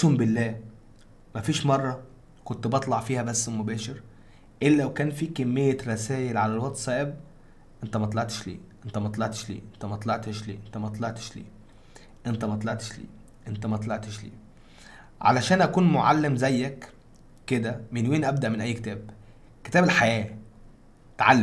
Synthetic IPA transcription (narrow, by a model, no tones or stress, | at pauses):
uːmbɪlːæː | mæfiːʃmɑrˤːɑ | kont̪bɑt̪ˤlɑʕfiːhæbæsːmobæːʃeɾ | ʔelːælæwkæːnfiːkæmːejːæɾˤæsæːjelʕalælwɑt̪sˤɑːʔeb | ʔent̪æmɑt̪ˤlɑʕt̪e̥ʃlḭːʔent̪æmɑt̪ˤlɑʕt̪e̥ʃlḭːʔent̪æmɑt̪ˤlɑʕt̪eʃlḭːʔent̪æmɑt̪ˤlɑʕt̪e̥ʃlḭː | ʔent̪æmɑt̪ˤlɑʕt̪e̥ʃlḭː | ʔent̪æmæɑt̪ˤlɑʕt̪eʃlḭː | ʕa̰læʃæːnʔækuːnmoʕa̰lːemzæjːæk | kːed̪æmenweːnʔæb̚d̪æʔmenʔæjːket̪æːb | ke̥t̪æːbelħajæː | t̪ʕalː